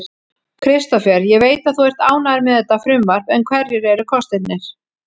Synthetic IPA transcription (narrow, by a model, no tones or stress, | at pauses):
kʰɾɪst̪afjɛɾjɛɣveːjt̪aðθuɛr̥t̪aːwnaðɾmɛðɛt̪ːafɾʏmvaɾ̥pɛnkʰvɛɾjɛɾɛɾʏkʰɔst̪ɪt̪nɪɾ̥